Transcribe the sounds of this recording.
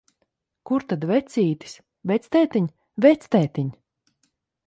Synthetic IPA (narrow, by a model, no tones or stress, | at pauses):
kuɾt̪ad̪vɛt̪sʲiːt̪i̥s | vɛt̪st̪ɛːt̪iɲ | vɛt̪st̪ɛːt̪iɲ